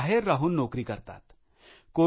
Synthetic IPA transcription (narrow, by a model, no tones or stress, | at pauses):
ɦeɾːaɦuːnːɔkɾiːkəɾt̪a̰t̪ | ko